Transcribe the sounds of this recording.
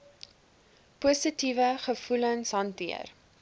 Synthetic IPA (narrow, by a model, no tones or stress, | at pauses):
pusətivəχəfulənsɦɐntiə̰r